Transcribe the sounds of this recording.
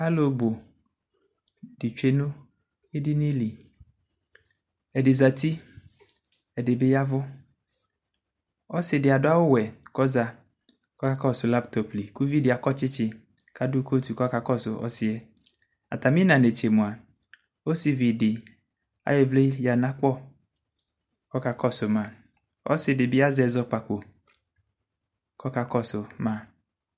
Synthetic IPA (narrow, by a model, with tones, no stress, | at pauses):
a˦lo˨bo˨ | dɪ˨t͡ʃᶣe˦nʊ̃˦ | e˦dɪ˦nĩ˦li˨ | ɛ˨dɪ˨za˨t̪i˦ | ɛ˨dɪ˨bɪ˦ja˦vʊ˦ | ɔ˦sɪ˨dɪ˨a˨dʊ˦a˦wʊ˦wɛ˨kɔ˦za˨ | kɔ˦ka˦kɔ˦˨sʊ˨la˦pt̪ɔ˨pli˨ku˦vi˦dɪ˨a˨kɔ˦t͡ʃɪ˦t͡ʃɪ˦ | ka˦dʊ˦ko˦t̪u˨kɔ˦ka˨kɔ˦sʊ˨ʔɔ̰˦sɪ˨e˦ | a̰˨t̪a˨mĩ˦nã˨ne˨t͡ʃe˨mʊ̃˨a˨ | o˦si˨vi˨dɪ˨ | a̰˨je˦vle˦ja˨nã˦k͡pɔ˦˨ | kɔ˦ka˨kɔ˦sʊ˨mã˦ | ɔ̰˦sɪ˨dɪ˨bɪ˦a˦zɛ˨zɔ˦k͡pa˨k͡po˨ | kɔ˦ka˨kɔ˦sʊ˨mã˦